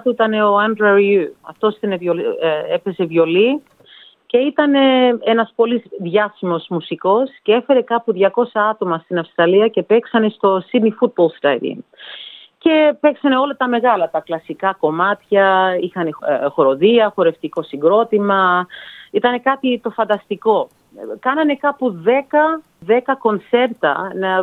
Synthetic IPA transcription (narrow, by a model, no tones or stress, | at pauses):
t̪uit̪ɐne̞o̞ɐnd̪ɾɐɾuɐ̰ft̪o̞si̥t̪ɐnevoepe̞se̞vʝo̞li | ce̞it̪ɐne̞enɐspo̞lizðʝɐsimo̞zmusiko̞scee̞fe̞ɾe̞kɐpuðʝɐko̞sɐɐt̪o̞mɐst̪inɐfst̪ɾɐliɐce̞pe̞ksɐne̞st̪o̞sinifut̪̚bolst̪ɾɐjd̪ḭm | ce̞pe̞ksɐne̞o̞lɐt̪ɐme̞ɣɐlɐt̪ɐklɐsikɐko̞mɐt̪çɐixɐnexo̞ɾo̞ðiɐxo̞ɾe̞ft̪iko̞siŋɡɾo̞t̪imɐ | it̪ɐne̞kɐt̪it̪o̞fɐnd̪ɐst̪iko̞ | kɐnɐne̞kɐpuðe̞kɐ | ðe̞kɐko̞nt͡se̞ɾt̪ɐ̰nɐ